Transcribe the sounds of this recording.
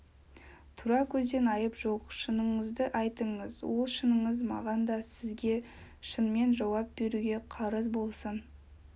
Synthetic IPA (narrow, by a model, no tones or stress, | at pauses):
t̪ʰʊɾɑkʲʰɵzd̪e̞nɑjəpʒoqʃənəɴəzd̪əʔɑjt̪əɴəzwo̞lˠʃənəɴəzmɑ̰ʁɑnd̪ɑsɪzɡʲe̞ | ʃənme̞nʒɑwɑp̚be̞ɾuɡʲe̞qʰɑɾəzbo̞lˠsən